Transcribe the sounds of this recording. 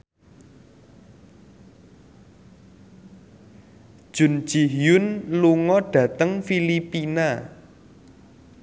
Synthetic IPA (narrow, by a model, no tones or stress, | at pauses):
d̥ʒ̥ʊ̤n̥ʒ̥i̤ɦjʊnluŋɔɖ̥ä̤t̪əŋfilipina